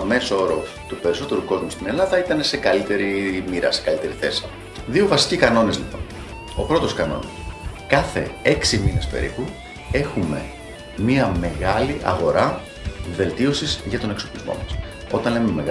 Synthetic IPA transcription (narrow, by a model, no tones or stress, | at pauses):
me̞sooɾo | t̪upe̞ɾiso̞t̪e̞ɾuko̞zmust̪ine̞lɐðɐit̪ɐne̞se̞kɐlit̪e̞ɾimiɾɐ̰se̞̥kɐlit̪e̞ɾiθe̞si | ðio̞vɐsi̥cikɐno̞nezlipo̰n | o̞̰pɾo̞t̪o̞skɐno̰nikɐθe̞̰e̞ksimine̞spe̞̰ɾḭpu | e̞xume̞̰ | miɐme̞ɣɐliʔɐ̰ɣo̞ɾɐ | ve̞lt̪io̞sizʝɐt̪o̞ne̞kso̞plizmo̞̰mɐs | o̞t̪ɐnle̞meme̞ɣ